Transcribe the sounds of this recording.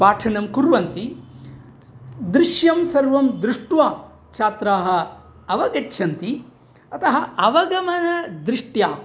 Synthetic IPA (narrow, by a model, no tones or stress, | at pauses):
paːʈʰɐnɐmkuɾʋɐnt̪i | d̪ɾɪʂjɐmsɐɾʋɐmd̪ɾuʂʈʋaː | t͡ʃʰaːt̪ɾaːɦɐ̆ | ɐʋɐɡɐtːʃʰɐnt̪i | ɐt̪ɐɦɐʔɐʋɐɡɐmɐnɐd̪ɾɪʂʈjaː